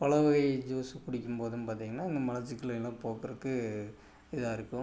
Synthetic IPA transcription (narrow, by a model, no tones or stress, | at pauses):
pɐlɐʋɐɣɐɪd͡ʒoːsɯkʊɽɪkʲːɯmpoːðɯnpaːɾt̪iːŋɡɐnːaːɪŋɡ̪ɐmɐlɐɾt͡ʃɪkːɯlɐɪlːãːpoːkɯɾɐkːɯ | ɪðɯaːɪɾɯkːɯ̃